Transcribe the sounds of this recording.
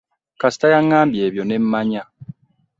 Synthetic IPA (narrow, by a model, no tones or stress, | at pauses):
kasi̥tajaŋːaːmbjeːβjo̞ne̞mːaɲa